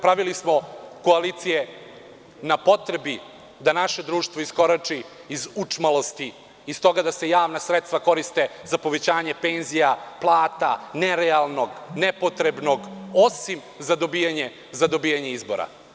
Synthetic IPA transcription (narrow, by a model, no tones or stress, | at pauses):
pɾaʋilismo̞ko̞aliːt̪sije | napo̞t̪ɾebi | d̪anaʃe̞d̪ɾuːʃt̪voisko̞ɾat͡ʂiː | zut͡ʂmalo̞st̪iː | st̪o̞ɡad̪ase̞jaːʋnasɾet̪st̪vako̞ɾist̪e̞zapo̞ʋe̞t͡ɕaːɲepenzijaplˠaːt̪aneɾealˠno̞ɡnepo̞t̪ɾe̞bno̞ɡo̞sim | zad̪o̞bijaɲe̞ | zad̪o̞bijaɲe̞izbo̞̰ɾa̰